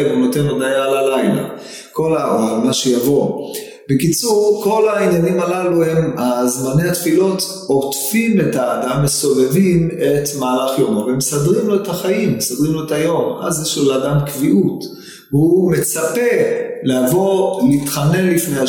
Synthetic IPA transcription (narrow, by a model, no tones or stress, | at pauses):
bonote̞nodajalalajla̰ | ko̞laoanaʃejavo̞ | bekit͡suʁkʰo̞lainjanimalaluhemazmanehatfilo̞t̪ | otfime̞taːdamːeso̞ve̞vime̞tmaːlaχjo̞maveemsadʁimloethaχaimsad̪ʁimloetajo̞ma̰zjeʃloleaːdamkviʔut | ume̞t͡sape̞leavo̞litχane̞nlifnea